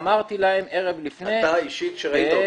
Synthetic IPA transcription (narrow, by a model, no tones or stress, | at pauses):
maʁt̪ilahemeʁevlifneaiʃit̪ʃeʁait̪a